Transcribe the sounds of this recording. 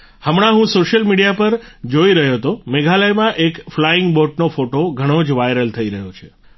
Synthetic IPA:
həmɽ̃ãɦũsoʃəlmiɽijapəɾd͡ʒoiɾəɦjot̪omeɡʱaləjmãʔekflaɪŋɡboʈ̚nofoʈoɡʱəɽ̃od͡ʒʋajɾəlt̪ʰəiɾəɦjot͡ʃʰe

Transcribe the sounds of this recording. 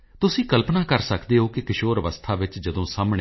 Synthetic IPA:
t̪ʊsĩːkəlpnaːkəɾsəkd̪eːɦoːkɪkɪʃoːɾʋəst̪ʰaːʋɪt͡ʃd͡ʒəd̪õːsaːmɽe

